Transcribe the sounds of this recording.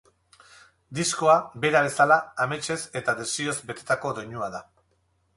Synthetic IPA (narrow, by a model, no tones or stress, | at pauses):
d̪isko̞abe̞ɾaβe̞salaːmet͡ʃe̞se̞t̪aðe̞sio̞zbe̞t̪e̞t̪ako̞ðo̞ɲuaða